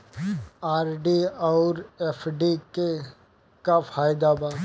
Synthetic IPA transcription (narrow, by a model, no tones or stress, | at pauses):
aːɾɖiɔʊɾefʰɖike | kafʰaːjd̪aba